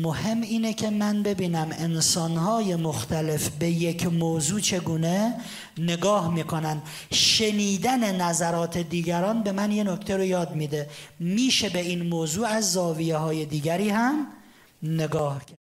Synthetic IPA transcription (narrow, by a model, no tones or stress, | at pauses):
mohe̞miːnecʲʰe̞mænbe̞biːnæme̞nsɒːnhɒːje̞moxt̪ʰæle̞fbe̞jekʰmoːzuːt͡ʃʰe̞ɡuːne | ne̞ɡɒːhmiːkʰo̞nænd̪ | ʃe̞niːd̪æne̞næzæɾɒːt̪ʰe̞d̪iːɡæɾɒːnbe̞mænje̞nokʰt̪ʰeɾo̞jɒːd̪̚miːd̪emiːʃe̞be̞iːnmoːzuːæzːɒːvijehɒːje̞d̪iːɡæɾiːhæm | ne̞ɡɒːhkʰæ